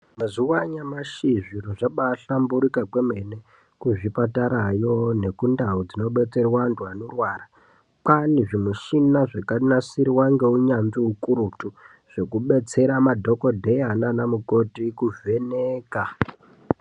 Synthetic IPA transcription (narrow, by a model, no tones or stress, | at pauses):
muziwaɲamaʃiʐiɾoʐaɓaɬambuɾikakwemene | kuʐipataɾajo̞ne̞kundaud͡zino̞ɓe̞t͡se̞rwandwanorwaːra | paniʐimuʃinaʐekarinasiɾiwaŋɡe̞uɲanziukuɾutu | ʐ̥ekuɓe̞t͡se̞ɾamadʱo̞ko̞dʱe̞jananamuko̞tikuve̞neːka